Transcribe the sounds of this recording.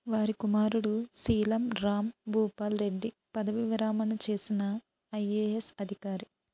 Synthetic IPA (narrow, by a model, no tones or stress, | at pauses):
ʋaːɾikumaːɾuɽusiːlɐmɾaːmbʱuːpaːlɾe̞ɖːi | pɐd̪ɐʋiʋɾaːmɐnut͡ʃe̞ːsinɐ | ɐjeːesɐd̪ʱikaːɾi